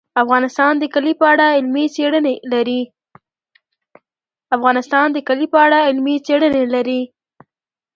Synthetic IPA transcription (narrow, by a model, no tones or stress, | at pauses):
afɣɑnɪst̪ɑnd̪əkalipəaɽaɪlmit͡seɽənelaɾi | afɣɑnɪst̪ɑnd̪əkalipəaɽaɪlmit͡seɽənelaɾi